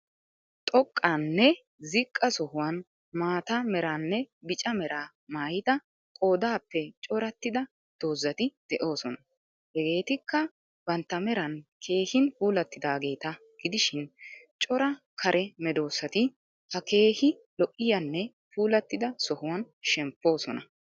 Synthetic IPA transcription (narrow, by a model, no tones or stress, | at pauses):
t̪ʼɔkʼːanːɛ | zɪkʼːɐsɔhʊwɐn | maːt̪ɐmɛɾaːnːɛbɪt͡ʃʼɐmɛɾʔaː | maːjɪt̪ɐ | kʼo̞ːd̪aːpːɛt͡ʃʼɔɾɐt̪ːɪd̪ɐ | d̪̥o̞ːzːɐt̪ɪd̪̥ɛʔo̞ːsɔnɐ | hɛɡe̞ːt̪ɪkːɐ | bɐnt̪ːɐmɛɾɐnkʰe̞ːhɪnfuːlɐt̪ːɪd̪aːɡe̞ːt̪ɐ | ɡ̥ɪd̪ɪʃɪnt͡ʃʼɔɾɐ | kʰɐɾʔɛmɛd̪o̞ːsɐt̪ɪ | hɐke̞ːhɪ | lɔʔɪjɐnːɛ | fuːlɐt̪ːɪd̪ɐsɔhʊwɐn | ʃɛmpːo̞ːsɔnɐ̰